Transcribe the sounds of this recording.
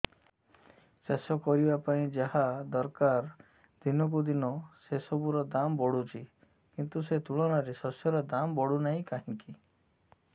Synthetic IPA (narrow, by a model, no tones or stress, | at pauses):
sesɔkɔɾibapaĩd͡ʒaɦad̪ɔɾkaɾ | d̪̥inɔk̬ud̪inɔsesɔbuɾɔd̪ambɔɽut͡ʃʰi | kint̪uset̪uɭɔɽ̃ɔɾesɔsjɔɾɔd̪ambɔɽunaɦĩkaɦĩŋki